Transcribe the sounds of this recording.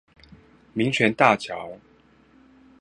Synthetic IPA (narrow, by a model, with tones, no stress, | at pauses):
mi˨˦ŋt͡ɕʰɥɛ˨˧˦nt̪a˥˨t͡ɕʰjɑ˨˧˦ʊ